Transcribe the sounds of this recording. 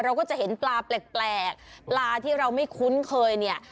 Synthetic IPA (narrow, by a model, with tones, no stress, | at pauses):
ɾa˧wkɔː˥˩t͡ɕa˨˩ʔhe˩˦nplaː˧pleː˨˩k̚plɛː˨˩k̚plaː˧t̪ʰiː˥˩ɾa˧wma˥˩jkʰu˦˥nkʰɤː˧jni˥˩ɐ